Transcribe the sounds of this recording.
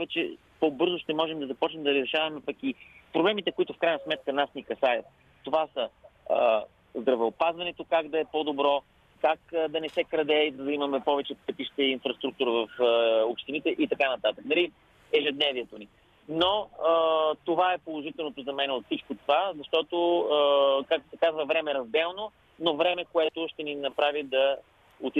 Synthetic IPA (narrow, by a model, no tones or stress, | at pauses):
pvɛt͡ʃɛ̰ | pobɤɾzoʃt̪ɛmɔʒɛmd̪ɐzɐpɔt͡ʃnɛmd̪ɐɾzɾɛʃavɐmɛpɐkipɾoblɛmit̪ɛkoit̪ʊfkɾajnəsmɛt̪̚kənasnikɐsajət̪̚ː | ovasə | zd̪ɾɐvɛopazvɐnɛt̪okaɡd̪ɐɛpod̪obɾɔ | kakd̪ɐnɛsɛkɾɐd̪ɛid̪ɐzɐimɐmɛpɔvɛt͡ʃɛpɛp̪iʃt̪ɛːnfɾɐst̪ɾuk̚t̪uɾəvɐfopʃt̪init̪ɛʔit̪ɐkanɐt̪at̪əknɐɾi | ɛʒɛd̪nɛviɛt̪oni | noət̪ovaɛpolˠoʒit̪ɛlˠnot̪ozɐmɛnɛot̪fsit͡ʃkot̪ovazɐʃt̪ɔt̪o | kak̚t̪o̥sɛkazvəvɾɛmɛɾɐzd̪ɛlˠno | novɾɛmɛkoɛt̪ʊʃt̪ɛninɐpɾavid̪ɐ | ot̪i